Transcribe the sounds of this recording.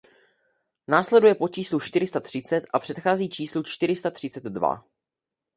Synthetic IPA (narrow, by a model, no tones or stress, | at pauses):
naːslɛdujɛpo̞t͡ʃiːslut͡ʃt̪ɪɾɪst̪at̪r̝̥ɪt͡sɛt̪ʔapr̝̥ɛt̪xaːziːt͡ʃiːslut͡ʃt̪ɪɾɪst̪at̪r̥ɪt͡sɛd̪dva̰